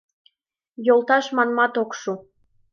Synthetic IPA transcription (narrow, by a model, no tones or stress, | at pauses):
jolˠt̪ɑʃmɑnmɑt̪okʃu